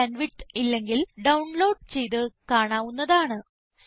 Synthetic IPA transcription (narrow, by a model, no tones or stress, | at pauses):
ɐnʋiʈilːe̞ŋɡilɖɐwɳlo̞ːɖt͡ɕe̞jt̪̬ɨkaːɳaːʋunːɐðaːɳɨ | s